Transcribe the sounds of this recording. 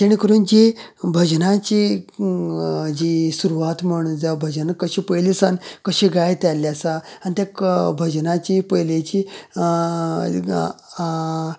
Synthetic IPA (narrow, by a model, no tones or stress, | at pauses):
t̪eɽ̃ikəɾuːnd͡ʑe | bʱəd͡ʑnãt͡ɕi | d͡ʑisuɾuʋat̪məɽ̃ud͡zabʱəd͡ʑənkəɕiːpəjlisankəɕiɡajt̪aljasaanit̪ʲjakbʱəd͡ʑnãt͡ɕipəjlet͡ɕi